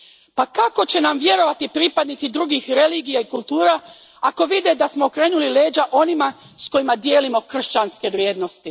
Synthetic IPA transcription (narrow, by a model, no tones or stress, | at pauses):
pakako̞t͡ɕe̞namʋje̞ɾo̞ʋat̪ipɾiːpad̪nit̪sid̪ɾuɡixɾe̞liːɡijaikulˠt̪uːɾa | ako̞ʋid̪e̞d̪asmoːkɾe̞ːnulile̞ːd͡ʑaʔo̞nima | sko̞jimad̪jeːlimo̞kr̩ʃt͡ɕanske̞ʋɾʲje̞ːd̪no̞st̪i